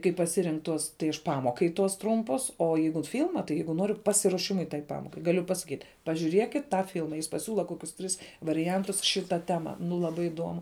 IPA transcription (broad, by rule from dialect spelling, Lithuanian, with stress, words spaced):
kɐɪ pɐˈsʲɪrʲɪŋk ˈtuɔs tɐɪ ɐʃ ˈpɑːmoːkɐɪ tuɔs ˈtrʊmpʊs oː ˈjɛɪɡʊt ˈfʲɪlˠmɐ tɐɪ ˈjɛɪɡʊ ˈnoːrʲʊ ˈpɑːsʲɪruɔˌʃʲɪmʊɪ tɐɪ ˈpɑːmoːkɐɪ ɡɐˈlʲʊ pɐsɐˈkʲiːtʲ pɐʒʲuːˈrʲiɛkʲɪt ˈtɑː ˈfʲɪlˠmɐ jɪs pɐˈsʲuːlˠɐ ˈkoːkʲʊs ˈtʲrʲɪs ʋɐrʲɪˈjɛntʊs ˈʃʲɪˌtɐ ˈtʲæːmɐ nʊ lˠɐˈbɐɪ ɪˈduɔmʊ